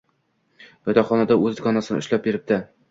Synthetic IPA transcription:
jɒt̪ɒχɒnad̪aɵzd̪ɡɒnasɪnɪ̰ʊ̰ʃʲlap̚beɾɪp̚t̪ɪ

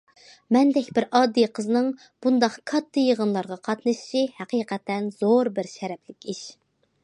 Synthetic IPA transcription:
mɛnd̪ɛkʲbɪɾɑːd̪ːijqʰəznɨŋ | b̥und̪ɑqkʰɑt̪ʰːɨjəʁənlˠɑɾʁɑqʰɑt̪nɨʃi̥ʃihæqʰiːqʰɛt̪ʰːɛnz̥oɾbɪɾʃɛɾɛpʰlɪkʲʰiʃ

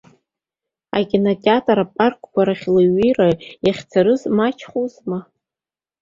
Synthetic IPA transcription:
a̰kʲʼinotʼatʼaɾapʼarkʷʰʼkʷaɾaχʲlɨɥirajaχʲt͡sʰaɾɨzmat͡ʃʰχuzma

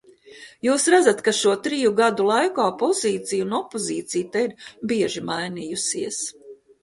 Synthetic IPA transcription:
juːsɾad̪zat̪kaʃuɔt̪ɾijuɡad̪ulˠajkaːpɔziːt̪sijunɔpɔziːt̪sijt̪aiɾbiɛʒimajnijusiɛs

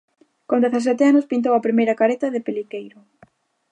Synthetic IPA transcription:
kond̪eθɐs̬ɛt̪ɪanʊspint̪̬owɐpɾimejɾɐkaɾet̪ɐðɪpelikejɾʊ

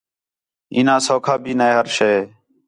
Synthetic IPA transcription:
iːnãːsoːkʰaːbʱiːnəeːɦəɾʃeː

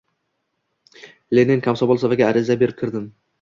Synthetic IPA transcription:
lenenkʰʲamsɒbɒlˠsavaɡʲaːɾɪzabe̞ɾɪp̚kʲʰɪɾd̪ɪm

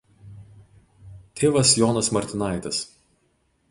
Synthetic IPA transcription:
t̪ʲʰeːʋɐsjɔːnɐsmɐɾʲt̪ʲɪnɑˑɪt̪ʲɐs

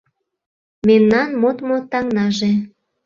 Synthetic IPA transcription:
memnɑnmot̪mot̪ɑŋnɑʒe

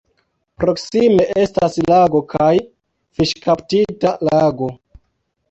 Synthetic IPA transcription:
pɾo̞ksime̞ʔe̞staslaɡo̞kʰaj | fiʃkaptitalaɡo̞

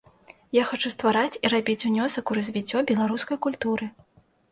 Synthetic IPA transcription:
jaxat͡ʂust̪vaɾat͡sʲiɾabʲit͡sʲunʲɔsɐkuɾɐzʲvʲit͡sʲːɔbʲɛlˠaɾuskɐjkulʲt̪uɾɨ

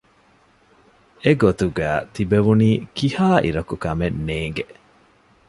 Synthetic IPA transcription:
eɡot̪uɡæːt̪ibeʋuniːkihaːʔḭɾɐkukɐmenːeːŋɡe

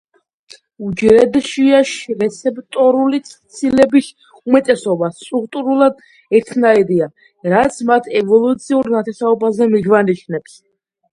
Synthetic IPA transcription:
ud͡ʒɾɛd̪ʃiaʃɾɛt̪sʰɛpt̪ʼɔɾulit̪sʰt̪sʰilɛbis | umɛt̪ʼɛsɔbast̪ʼɾukʼt̪ʼuɾulˠad̪ | ɛɾt̪ʰnaiɾia | ɾat̪sʰmat̪ʰɛvɔlˠut̪sʰiuɾnat̪ʰɛsaɔbazɛmiɡvaniʃʰnɛps

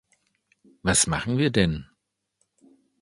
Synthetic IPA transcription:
vasmaχn̩viːɐdɛn

